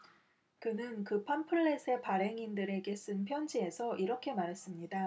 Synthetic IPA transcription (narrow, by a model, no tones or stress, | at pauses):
kɯnɯnkɯpʰampʰɯɭːe̞sʰe̞paɾe̞ŋindɯɾe̞ɡe̞s͈ɯnpʰjʌnd͡ʑie̞sʰʌʔiɾʌkʰe̞maɾes͈ɯmɲida